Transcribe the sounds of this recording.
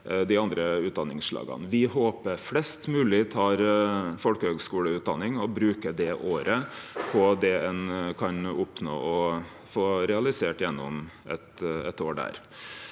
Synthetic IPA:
d̪ɪɑnd̪ɾəʉːt̪̚d̪ɑnɪŋsʂɭɑ̰ːɡə̰nʋɪɦoːpəɾflɛst̪mʉːlɪt̪ʰɑːɾfɔlkəhøːɡskuːləʉːt̪̚d̪ɑnːɪŋɔbɾʉːkəd̪ɛʔoːɾəpʰɔd̪ɛɛnkʰɑnʊpno̰ːʔɔ | foːɾɛɑlɪseːʈjɛnːʊmʔɛ̰t̪ɛt̪oːɖæ̰ːɾ

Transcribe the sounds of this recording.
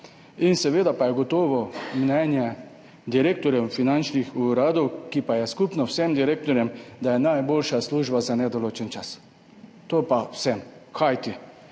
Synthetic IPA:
insɛʋeːd̪apajɛɡɔt̪ɔːʋɔmnɛnjɛ | d̪iɾeːk̚t̪ɔɾjɛwfinant͡ʃnixuɾaːd̪ɔwkipajɛskupnɔwsɛmd̪iɾeːk̚t̪ɔɾjɛmd̪ajɛnajboːlʃasluːʒbazanɛd̪ɔloːt͡ʃɛnt͡ʃas | t̪opawsɛmkʰajt̪i

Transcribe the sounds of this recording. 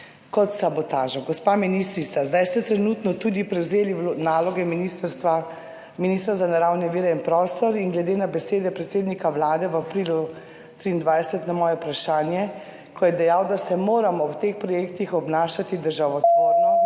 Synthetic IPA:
kɔt̪sabɔt̪aːʒɔɡɔspaːminist̪ɾit̪sazd̪ajst̪ɛt̪ɾɛnut̪nɔt̪ud̪ipɾɛwzeːliʋnaːlɔɡɛminist̪a | miniːst̪ɾazanaɾawnɛʋiːɾɛinpɾɔst̪ɔɾiŋɡlɛd̪eːnabɛseːd̪ɛpɾɛt̪seːd̪nikawlaːd̪ɛʋapɾiːlu | t̪ɾiːnd̪ʋajsɛt̪namɔːjɛpɾaʃaːnjɛ | kʰɔjɛd̪ɛjaːwd̪asɛmoːɾamɔwt̪expɾɔjeːkt̪ixɔbnaːʃat̪id̪əɾʒaːʋɔt̪oɾnɔ

